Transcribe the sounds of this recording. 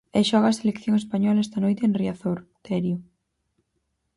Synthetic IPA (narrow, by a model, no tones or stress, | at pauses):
ɛʃɔɣɐːselekθjoŋespaɲɔlaɛst̪ɐnojt̪eenriaθoɾt̪ɛɾjʊ